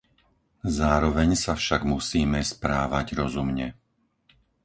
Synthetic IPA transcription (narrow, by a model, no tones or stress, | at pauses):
zaːɾɔʋɛɲsafʃaɡmusiːmɛspɾaːʋaɟɾɔzumɲɛ